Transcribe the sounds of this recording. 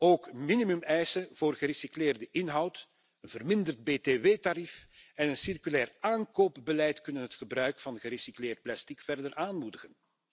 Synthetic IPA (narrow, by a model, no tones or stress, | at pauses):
oːkminimymɛjsənv̥oːrɣəɾisiklɪːrdəʔɪnɦɑwt | ənvərmɪndərd̚beːteːʋeːtaɾifɛnənsɪrkylɛːraːnkoːpbəlɛjtkɵnənɦətxəbrœɥkfɑnɣəɾisiklɪːrt̚plɛstikfɛrdərʔaːnmudəɣən